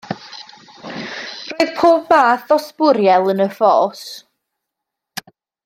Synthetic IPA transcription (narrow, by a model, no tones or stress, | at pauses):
roɨðpʰoːb̚maːθɔspʊɾjɛlˠənəfɔːs